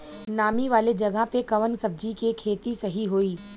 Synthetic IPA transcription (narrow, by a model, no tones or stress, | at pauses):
naːmiʋaːled͡ʒɐɡəɦpekɐʋənsɐb̚d͡ʒikekʰeːt̪isɐɦiɦoːiː